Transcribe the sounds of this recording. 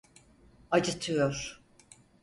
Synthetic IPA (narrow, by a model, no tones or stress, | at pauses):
ad͡ʒɯt̪ʰɯjoɾ̥